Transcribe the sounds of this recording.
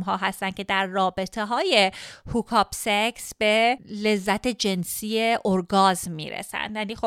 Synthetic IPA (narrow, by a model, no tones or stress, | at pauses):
mɦɒːɦæst̪æn̥̚cʰe̞d̪æɾːɒːbe̞t̪ʰeɦɒːje̞hukʰɒːbseksb̥ele̞zːæt̪ʰe̞d͡ʒe̞nsiːjeʔoɾɡɒːzːḭːɾḛsæ̰nd̪jæniːxo